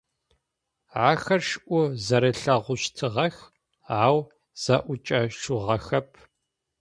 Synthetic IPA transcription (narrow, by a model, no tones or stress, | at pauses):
ʕaːxɐrʃʔʷʊzɐɾɐɬɐʁʷʊɕtʰɨʁɐx | aːw | z̥ɐʔʷʊt͡ʃʼɐʃuʁɐxɐpʰ